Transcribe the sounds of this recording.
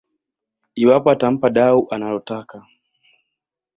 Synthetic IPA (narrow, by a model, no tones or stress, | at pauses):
iwapɔatam̩paɗauʔanalɔtaka